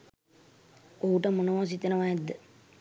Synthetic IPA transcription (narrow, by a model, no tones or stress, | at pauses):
oɦuʈəmunəʋas̬it̪enəʋaɛd̪ːə